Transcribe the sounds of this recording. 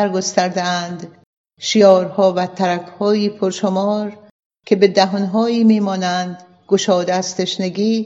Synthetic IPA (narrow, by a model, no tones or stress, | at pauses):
ɾɡost̪æɾd̪eænd̪ | ʃijɒːɾhɒːvæt̪ʰæɾækʰhɒːjiːpʰoɾʃomɒːɾ | kʲʰe̞be̞d̪æɦonɦɒːiːmiːmɒːnænd̪ | ɡoʃɒːd̪eːst̪ʰe̞ʃneɡiː